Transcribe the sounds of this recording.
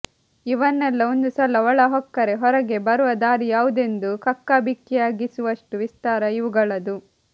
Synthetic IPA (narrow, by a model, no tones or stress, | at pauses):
iʋɐnːɛlːɐond̪usɐlɐɔɭɐɦɔkːɐɾe̞ɦɔɾɐɡe̞bɐɾuʋɐd̪aːɾijaːʋud̪e̞nd̪ukɐkːabʱikːjɛjaːɡisuʋɐʂʈuʋist̪aːɾɐiʋuɡɐɭɐd̪u